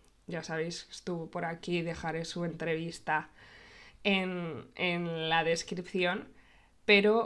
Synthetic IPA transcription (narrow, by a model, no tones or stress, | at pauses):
ɟ͡ʝasaβ̞e̞jske̥st̪uβopo̞ɾakiðe̞xaɾe̞sue̞nt̪ɾe̞β̞ist̪a | enenlaðe̞skɾipθjo̞n | pe̞ɾo̞